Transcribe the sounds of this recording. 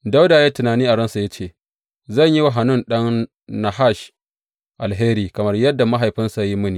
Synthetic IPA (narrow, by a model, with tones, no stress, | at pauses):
da˦wdaː˨jaː˦tʊ˨naː˨niː˦ʔa˨ɽɐ˦nsa˨ja˦t͡ʃeː˦˨ | zɐ˦˨ɲji˦wa˦˨ɦa˨nʊ˦˨nɗɐ˦ŋ | na˨ha˦˨ʃ | ʔa˨lɦeː˦ɾiː˨kɐ˨mɐ˦rjɐ˦dːa˨ma˦ɦa˨jɸɪ˦nsa˨˦ji˦mʊ˦niː˨